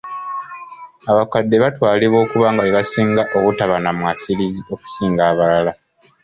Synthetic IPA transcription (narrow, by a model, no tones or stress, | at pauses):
aβakadːe̞βatwaːliβo̞ːkuβaːŋɡaeβasiːŋɡaʔo̞βutaβanamwaːsilizio̞ku̥siːŋɡaːβalala